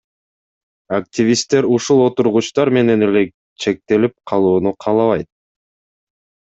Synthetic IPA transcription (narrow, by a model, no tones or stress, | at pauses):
ak̚tʲivʲist̪ːe̞ɾuʃulˠo̞t̪uɾʁut͡ʃt̪ɑɾme̞ne̞ne̞le̞ | t͡ʃʰe̞k̚t̪e̞lip̚qʰɑlˠuːnuqʰɑːlˠɑβɑjt̪̚